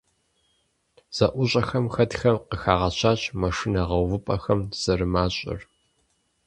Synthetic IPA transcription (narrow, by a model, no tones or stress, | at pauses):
z̥ɐʔʷʊɕʼɐxɐmxɐtxɐmqəxaːʁɐɕʷʰaːɕʼmɐʂinɐʁɐwvɨpʼɐxɐmz̥ɐrɨmaːɕʼɪ̰r